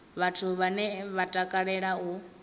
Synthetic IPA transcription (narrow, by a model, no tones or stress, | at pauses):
βatʰuβanɛβatʼakʼaɺɛɺau